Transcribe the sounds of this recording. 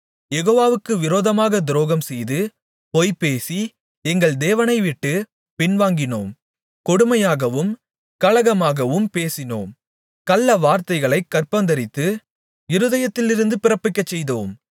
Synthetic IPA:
jɛɣoːʋaːʋɯkːɯʋɪɾoːðɐmaːɣɐd̪ɪɾoːɣɐmsɛjðɯ | pɔjpeːsi | ɛŋɡɐɭd̪eːʋɐnɐɪʋɪʈːɯ | pɪnʋaːŋɡɪnoːm | kɔɽɯmɐjaːɣɐʋɯm | kɐlɐɣɐmaːɣɐʋɯmpeːsɪno̰ːm | kɐlːɐʋaːɾt̪ɐɪɣɐɭɐɪkːɐrpɐnd̪ɐɾɪt̪ːɯ | ɪɾɯðɐjɐt̪ːɪlɪɾɯnd̪ɯpɪɾɐpːɪkːɐt͡ʃːɛjðoːm

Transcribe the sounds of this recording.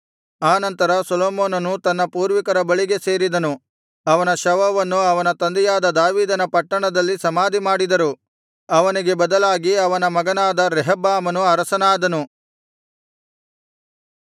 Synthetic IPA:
aːnɐnt̪ɐɾɐsɐloːmoːnɐnut̪ɐnːɐpuːɾʋikɐɾɐbɐɭiɡe̞se̞ːɾid̪ɐnu | ɐʋɐnɐʃɐʋɐʋɐnːuɐʋɐnɐt̪ɐnd̪ɛjaːd̪ɐd̪aːʋiːd̪ɐnɐpɐʈːɐɳɐd̪ɐlːisɐmaːd̪ʱimaːɽid̪ɐɾu | ɐʋɐniɡe̞bɐd̪ɐlaːɡiɐʋɐnɐmɐɡɐnaːd̪ɐɾɛɦɐbaːmɐnuɐɾɐsɐnaːd̪ɐnu

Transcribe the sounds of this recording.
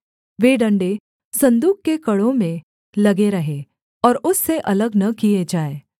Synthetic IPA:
ʋeːɖɐ̃ɳɖe | sɐ̃nd̪uːkkekɐɽõmẽ | lɐɡeɾɐɦe | ɔːɾʊsːeʔɐləɡnɐkijed͡ʒaːeː

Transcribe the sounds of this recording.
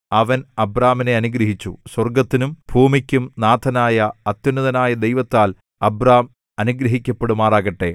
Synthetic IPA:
ɐʋɐnɐbraːmine̞ɐnuɡɾɐɦit͡ɕːṵswɐrɡɐt̪ːinumbʱuːmikʲːumnaːt̪ʰɐnaːjɐɐt̪junːuðɐnaːjɐd̪ejʋɐt̪ːaːl | ɐbraːm | ɐnuɡɾɐɦikʲːɐpːe̞ɽumaːraːɣɐʈːe̞

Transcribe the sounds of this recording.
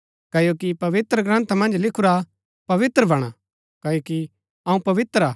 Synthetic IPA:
kɐjokipɐʋɪt̪ɾəɡɾɐ̃nt̪ʰamɐ̃nd͡ʒlɪkʰuɾa | pɐʋɪt̪ɾəbɐɽ̃a | kɐjoki | ɐ̃ũpɐʋɪt̪ɾaː

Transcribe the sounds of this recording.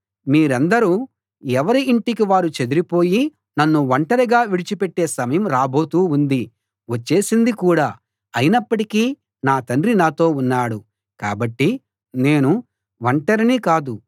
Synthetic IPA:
miːɾɐnd̪ɐɾuː | ɛʋɐɾiːɳʈikiʋaːɾut͡ʃed̪uɾipo̞ːji | nɐnːuʋɐɳʈɐɾiɡaːʋiɽit͡ʃipeʈːe̞ːsɐmɐjɐmɾaːbo̞ːt̪uːnd̪i | ʋɐt͡ʃːe̞ːsind̪ikuːɽaː | ɐjinɐpːɐʈikiː | naːt̪ɐɳɾinaːt̪o̞ːunːaːɽu | ka̰ːbɐʈːi | ne̞ːnu | ʋɐɳʈɐɾinikaːd̪u

